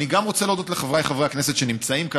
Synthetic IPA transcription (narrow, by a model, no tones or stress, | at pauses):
niɡamʁot͡seledo̞t̪leχavʁajχavʁeakneset̪ʃenimt͡saimka